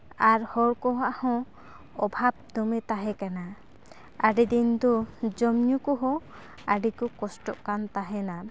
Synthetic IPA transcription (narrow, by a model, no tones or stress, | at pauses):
aɾhɔɽkɔɦaʔhɔ̃ | ɔbʱab̚d̪ɔmɛt̪aɦɛkana | aɖɛd̪ind̪ɔd͡ʒɔmɲukɔɦɔ̃ | aɖikɔkɔsʈɔʔkant̪aɦɛna